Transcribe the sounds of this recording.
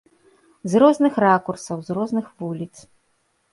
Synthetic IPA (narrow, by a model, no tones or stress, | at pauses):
zɾɔznɨxrakursɐwzrɔznɨxvulʲit̪s